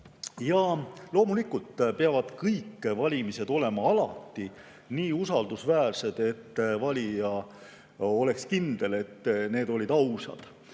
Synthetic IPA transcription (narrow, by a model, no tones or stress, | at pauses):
jɑlo̞ːmulikːˑult̪ːpeɑvɑd̪̥kɤjkːˑvɑlʲimise̞d̪̥o̞le̞mɑɑlɑ̰t̪ːi | niːusɑld̪̥usvæːrse̞d̪̥e̞t̪ːvɑlʲijɑ | ole̞kskind̪̥e̞le̞t̪ːne̞ːd̪o̞lʲid̪ɑwsɑ̰d̪̥